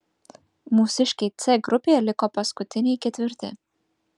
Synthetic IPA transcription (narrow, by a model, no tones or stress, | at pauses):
musiʃkʲit̪sʲɛɡɾupʲilʲikɔpaskut̪ʲinʲiːkʲɛt̪ʲvʲiɾt̪ʲɛ̰